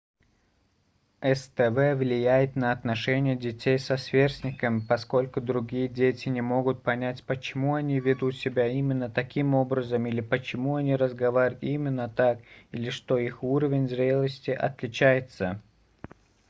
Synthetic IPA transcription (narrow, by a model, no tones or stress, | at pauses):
ɛst̪ɛvɛvlʲɪjæjɪt̪nəɐt̪nɐʂɛnʲɪjədʲɪtʲejsɐsvʲersʲnʲɪkəmpɐsko̞lʲkʊd̪ɾʊɡʲijədʲetʲɪnʲɪmo̞ɡʊt̪̚pɐnʲætʲpət͡ɕɪmuɐnʲivʲɪd̪ut̪sʲɪbʲaimʲɪnːət̪ɐkʲimo̞bɾəzəmilʲɪpət͡ɕɪmuɐnʲiɾəzɡɐvaɾʲʊt̪imʲɪnːət̪akilʲɪʂt̪oixuɾəvʲɪnʲzɾʲe̞lˠəsʲtʲɪʔɐ̰t̪lʲɪt͡ɕæjɪt̪sə